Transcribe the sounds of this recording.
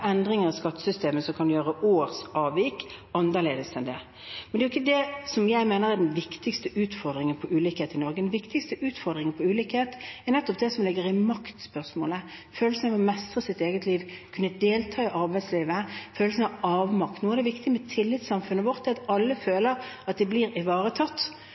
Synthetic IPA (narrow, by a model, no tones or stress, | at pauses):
ɛnd̪ɾɪŋəʁɑskɑt̪ːə̥sʏst̪eːməsɔkʰɑnd̪ʉjøːʁəʔoːʁsɑːʋiːkɑnəʁleːd̪əsɛnd̪ɛ | mɛnd̪ɛjʊɪçːəd̪ɛsɔmjæɪmeːnəɾɛd̪ɛnʋɪkt̪ɪkst̪əʉːt̪fɔʁd̪ɾɪŋənpʰɔʔʉːliːkheːt̪ɪnɔʁɡəd̪ɛnʋɪkt̪ɪkst̪əʔʉːt̪fɔʁd̪ʁɪŋənpʰɔʉːliːkheːt̪ɛɾnɛt̪ːɔp̚d̪ɛsɔmlɪɡːəɾɪmɑkt̪spœʁsmoːləføːlsənɑʋɔmɛst̪ʁəsɪt̪eːɡət̪liːʋkʰʉnːəd̪eːlt̪ʰɑːɪʔɑɾbæɪsliːʋəføːlsənəhɑʋɑːʋmɑkt̪nuːɛʁd̪ɛʋɪkt̪ɪmɛt̪ʰɪlːɪt̪sɑmfʉnːəʋɔɾt̪d̪ɛɑt̪ɑlːəføːləɾɑt̪̚d̪ɛbliɾɪʋɑːɾət̪ʰɑt̪ː